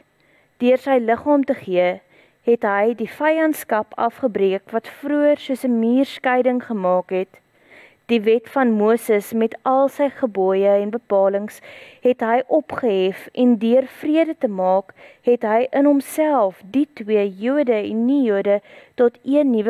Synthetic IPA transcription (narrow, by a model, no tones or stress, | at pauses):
d̥øərsəjləχɑːmtəχiə | ɦɛtɦəjdifɐjɐntskɐpɐ̰fχəbriəkvɐtfruərsuəsəmiːrskəjdəŋχəmɑːkɦɛt | d̥ivɛtfɐnmuəsəsmɛtɐlˠsəjχəbɔəjəɛnbəpɑːləŋsɦɛtɦəjʔɔpχəɦɛfɛndøərfriədətəmɑːkɦɛtɦəjʔənɦɔmsælˠfditwiəjuədəɛnːijuədətɔtʰiənːivə